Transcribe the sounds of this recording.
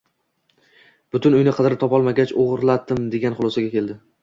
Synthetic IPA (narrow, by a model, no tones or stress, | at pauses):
b̥ʊt̪ʰʊnʊjnɪqʰɨd̪ɾɪt̪ʰɒpɒlˠmaɡʲat͡ʃoʁɾlat̪ːɪmd̪e̞ɡʲanχʊlˠɒsaɡʲakʲe̞ld̪ɪ